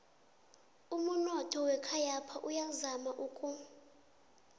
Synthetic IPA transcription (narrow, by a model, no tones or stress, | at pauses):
umunɔtʰʼɔwɛkʰajapʰaʔujazamaʔukʼu